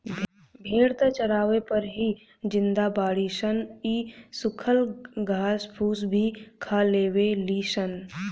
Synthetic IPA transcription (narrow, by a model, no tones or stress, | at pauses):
bʱeːɽt̪ət͡ʃəɾaːʋepəɾɦi | d͡ʒɪ̃nd̪abaːɽiʃəniːsʊkʰəlɡʱaːsbʰʱuːsbʱikʰaːleːweliːʃən